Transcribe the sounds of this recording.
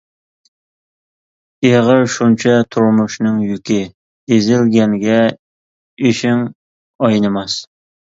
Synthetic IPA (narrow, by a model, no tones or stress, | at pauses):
eʁəɾʃunt͡ʃʰɛt̪ʰuɾmʊʃnɨŋjykʲɪ | ezɪlɡʲɛŋɡʲɛ | eʃɪŋ | ɑjnɨmɑs